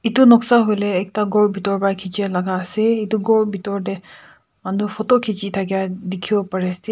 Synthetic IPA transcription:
itʊnɔksaɦojlɛːk̚taɡɔɹbʱitɔɹbajkʰit͡ʃiɛlaɡaːsɛitʊɡɔɹbʱitɔɹdɛ | manufʰɔtɔkʰit͡ʃitʰakijadekʰibɔpaɹɛsɛ

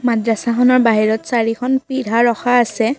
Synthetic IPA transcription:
madɹasakʰɔnɔɹbaɦiɹɔtsaɹikʰɔnpidʱaɹɔxaːsɛ

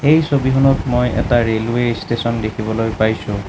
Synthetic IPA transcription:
ejsobiɦunɔtmojɛ̰taɹelwestesɔndekʰibɔlojpajsʊ̃

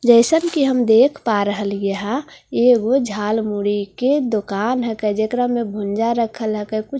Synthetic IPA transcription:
d͡ʒəɪsənkiɦəmd̪eːkʰpaɾəɦəljəɦaeːɡod͡ʒʱaːlmuɽiked̪okanɦəkɛd͡ʒekɾəmːẽbʱũnd͡ʒaɾəkʰəlɦəkəkʊt͡ʃʰ

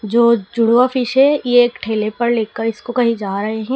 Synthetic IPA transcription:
d͡ʒoːd͡ʒʊɽʋafɪʃɦɛjeeːkʈʰeːlepɐɾleːkːəɾɪskokɐɦĩd͡ʒaːɾɐɦeɦɛ̃ː

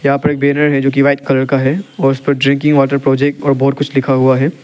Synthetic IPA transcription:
jɐɦãpɐɾeːk̚beːnəɾɦɛd͡ʒoːk̬iʋaːɪt̪̚kɐləɾkaɦɛɔːɾʊspɐɾɖɾɪ̃ŋkɪ̃ŋɡʋaːʈəɾpɾoːd͡ʒɛk̚ʈɔːɾbɔɦːt̪̚kʊt͡ʃʰlɪkʰaɦuaɦɛː

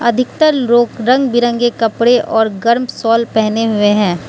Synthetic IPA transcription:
ɐd̪ʱɪk̚t̪əɾɾoːkɾɐ̃ŋɡbɪɾə̃ŋɡekɐpɽeʔɔːɾɡɐɾmsɔːlpɛɦneɦʊeɦɛ̃ː

